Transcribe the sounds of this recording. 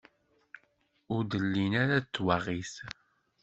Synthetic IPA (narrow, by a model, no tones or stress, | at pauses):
ʊɾd̪əlːinaɾat͡sːwaʁiθ